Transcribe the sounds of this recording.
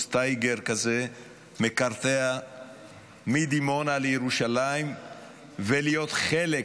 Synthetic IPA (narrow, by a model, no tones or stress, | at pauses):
st̪ajɡeɾkaze | mekaʁt̪ea | mid̪imo̞nalejeʁuʃalaim | velijo̞t̪χele